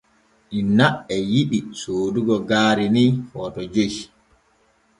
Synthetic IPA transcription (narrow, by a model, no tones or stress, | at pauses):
ʔinːaʔɛjiɗisoːduɡɔɡaːɾinihɔːtɔd͡ʒeʃi